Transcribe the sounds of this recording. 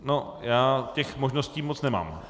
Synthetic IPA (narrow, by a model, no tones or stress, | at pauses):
nojaːcɛxmoʒnosciːmot͡snɛma̰ːm